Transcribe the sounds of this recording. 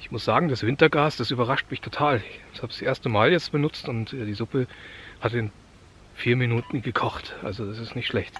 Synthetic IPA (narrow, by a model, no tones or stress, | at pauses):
ɪçmʊsz̥aːɡŋ̩d̥asv̥ɪntɐɡaːsd̥asyːbɐʁaʃtmɪçtʰotʰaːlshaːbəsʔeːɐstəmaːljɛt͡stb̥ənʊt͡stʊntɛːdiːzʊpəhatɪn | fiːɐminuːtn̩ɡəkʰɔχtʔa̰lzodasɪstnɪçtʃlɛçt